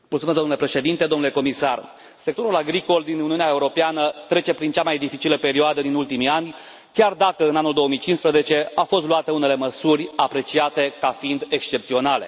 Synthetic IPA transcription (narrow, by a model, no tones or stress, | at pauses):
mult̪sumezd̪omnulepɾe̞ʃe̞d̪int̪e̞d̪o̞mnule̞ko̞misar | se̞k̚t̪o̞ɾulaɡɾiko̞ld̪inuniuneaeuɾo̞peanət̪ɾe̞t͡ʃe̞pɾint͡ʃamajd̪ifit͡ʃiləpe̞ɾioad̪əd̪inult̪imianʲ | kʲard̪akəɨnanuld̪o̞oəmijt͡ʃinspɾəze̞t͡ʃe̞afo̞st̪luat̪əune̞le̞məsurʲapɾe̞t͡ʃiat̪e̞kafiind̪e̞kst͡ʃe̞p̚t̪sio̞nale̞̰